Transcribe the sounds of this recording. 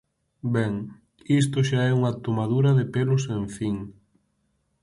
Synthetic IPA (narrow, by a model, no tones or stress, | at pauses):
bɛŋ | ist̪ʊʃaɛuŋɐt̪omaðuɾɐðepelʊsẽɱfiŋ